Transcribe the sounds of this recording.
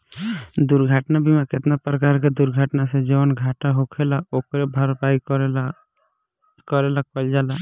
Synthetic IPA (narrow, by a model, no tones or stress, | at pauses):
d̪uɾɡʱaʈnabʱimakɪt̪napɾəkaɾked̪uɾɡʱaʈnased͡ʒewənɡʱaʈaɦokʰelaokɾebʱaɾpaːikɾe | kɔɾelak̚pəld͡ʒala